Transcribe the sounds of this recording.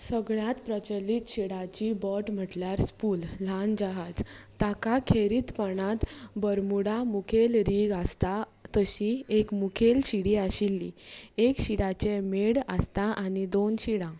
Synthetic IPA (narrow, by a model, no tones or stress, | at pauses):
səɡɭjãt̪pɾət͡ɕəlːit̪ɕiɽat͡ɕibɔʈm̤əʈljaɾspuːll̤and͡ʑaɦad͡zt̪akakʰeɾit̪paɳ̃ãt̪bəɾmuɽamukʰelɾiɡəst̪a | t̪əɕiekmukʰelɕiɽiaɕilːḭekɕiɽat͡ɕemeɽəst̪aʔanid̪onɕiɽã